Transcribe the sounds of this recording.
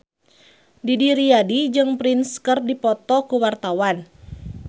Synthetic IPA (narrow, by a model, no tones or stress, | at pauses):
didiɾiadid͡ʒɨŋpɾinskərdipɔt̪ɔkuwart̪awan